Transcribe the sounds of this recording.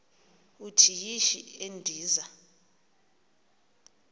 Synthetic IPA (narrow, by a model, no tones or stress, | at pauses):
utʰijiʃḭendʱiːza